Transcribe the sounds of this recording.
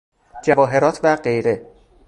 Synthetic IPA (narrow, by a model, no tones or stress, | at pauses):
d͡ʒævɒːɦe̞ɾɒːt̪ʰvæɢe̞jɾe̞